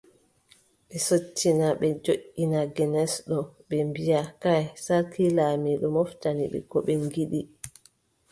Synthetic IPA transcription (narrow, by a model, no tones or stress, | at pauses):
ɓɛsotːinaɓɛd͡ʒoʔːinaɡɛnɛsɗɔɓɛmbijakajsaɾkʰilaːmiɗɔmɔftaniɓɛ̰kɔɓɛŋɡiɗi